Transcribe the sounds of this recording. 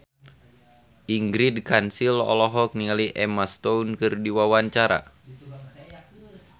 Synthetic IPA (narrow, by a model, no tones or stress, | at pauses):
ʔiŋɡɾidkansilɔ̰lɔɦɔk̚nialiʔɛmast̪ɔunkɨrdiwawaɲt͡ʃaɾa̰